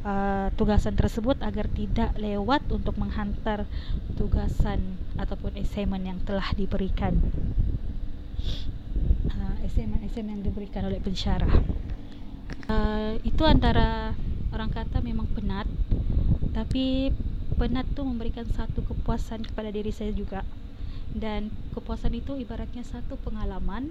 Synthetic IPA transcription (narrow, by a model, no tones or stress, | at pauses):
ət̪uɡasant̪ərsəbʊt̪aɡart̪idaʔlewat̪unt̪ʊk̚məŋɦant̪art̪uɡasanat̪awpʊnesemənjaŋt̪əlahdibəɾikan | əesemənesɛmnjaŋdibəɾikanolɛhpəɲt͡ʃaɾah | əit̪uant̪aɾaoɾaŋkat̪amemaŋpənat̪̚ː | apipənat̪ːuməmbəɾikansat̪ukəpuasankə̥padadiɾisajad͡ʒuɡaʔ | dankəpuasanit̪uibaɾat̪̚ɲasat̪upəŋalaman